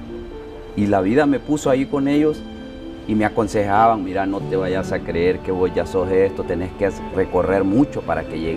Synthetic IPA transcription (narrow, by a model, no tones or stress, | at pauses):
ilaβiðame̞pusoaiko̞ne̞ʝo̞s | imeako̞nse̞xaβaŋmiɾanot̪eβajasakɾeeɾkeβosʝaso̞sest̪ot̪e̞ne̞skereko̞re̞ɾmut͡ʃo̞paɾa̰ke̞ʝe